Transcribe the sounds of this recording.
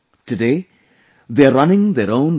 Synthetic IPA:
tʰɨdeɪ | ðeɾʌnɪ̃ŋðəɹõʊ̃n

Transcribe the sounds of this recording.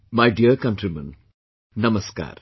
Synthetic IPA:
majɖiəɾkɐnʈɾimɐ̰̃n | nɐmɐska̰ːɾ

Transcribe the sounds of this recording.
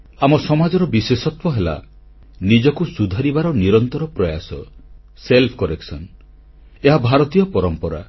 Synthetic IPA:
amɔsɔmad͡ʒɔɾɔbisesɔt̪wɔɦela̰ | nid͡ʒɔkusud̪ʱaɾibaɾɔniɾɔnt̪ɔɾɔpɾɔja̰sɔ | selpʰɔ̥kɔɾeksɔn | eɦabʱaɾɔt̪ijɔpɔɾɔmpɔɾa̰

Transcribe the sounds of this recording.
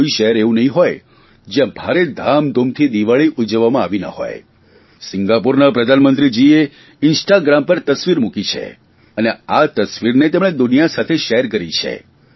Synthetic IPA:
iʃəɦɛɾeʋũnəɦĩɦoj | d͡ʒjãbʱaɾed̪ʱamd̪ʱomt̪ʰid̪iʋaɭiʔud͡ʒəʋːamãaʋina̰ho̰j | sɪŋɡapuɾnapɾəd̪ʱanmənt̪ɾid͡ʒie | ɪnsʈaɡɾampəɾt̪əsʋiɾmukit͡ʃʰḛ | əneat̪əsʋiɾnet̪emɽ̃ed̪ʊnijasat̪ʰeʃɛɦɛɾkəɾit͡ʃʰḛ

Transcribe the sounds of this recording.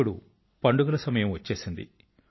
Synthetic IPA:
uɽu | pɐɳɖuɡɐlɐsɐmɐjɐmʋɐt͡ʃːe̞ːsind̪ḭ

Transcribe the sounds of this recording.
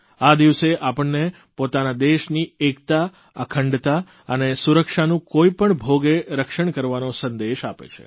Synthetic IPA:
ad̪iʋseʔapəɳːe | pot̪anad̪eʃniekt̪a | əkʰəɳɖt̪a | ənesuɾəkʃanũkoipəɳbʱoɡeɾəkʃəɳkəɾʋanosənd̪eʃapḛt͡ʃʰḛ

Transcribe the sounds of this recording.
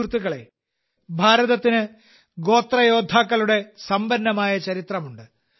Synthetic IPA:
rt̪ːuɣɐɭe̞̰ | bʱaːɾɐðɐt̪ːinɨ | ɡo̞ːt̪rɐjo̞ːd̪ʱaːkːɐluɽe̞sɐmbɐnːɐmaːjɐt͡ɕɐɾit̪rɐmuɳɖɨ

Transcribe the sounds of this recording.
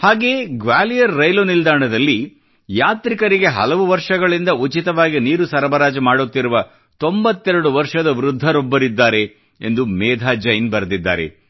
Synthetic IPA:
haːɡe̞ːɡʋaːlijɐɾːɐjlonild̪aːɳɐd̪ɐlːi | jaːt̪ɾikɐɾiɡe̞ɦɐ̰lɐʋuʋɐɾʂɐɡɐɭind̪ɐut͡ʃit̪ɐʋaːɡiniːɾusɐɾɐbɐɾaːd͡ʒɐmaːɽut̪ːiɾuʋɐ | t̪o̞mbɐt̪ːɛɾɐɽuʋɐɾʂɐd̪ɐʋɾud̪ʱːɐɾobːɐɾid̪ːaːɾe̞ | end̪umɛːd̪ʱaːd͡ʒɐjnbɐɾɐd̪id̪ːa̰ːɾḛ

